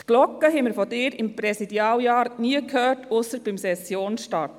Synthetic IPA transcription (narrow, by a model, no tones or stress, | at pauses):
t̪ɡ̥lɔkːəɦɛmɪɾfɔdɪːɾɪmpɾɛsidjɑːljɑːɾniəkʰhœːɾtʊsəb̥ɪmsɛsjoːnʃtɑɾt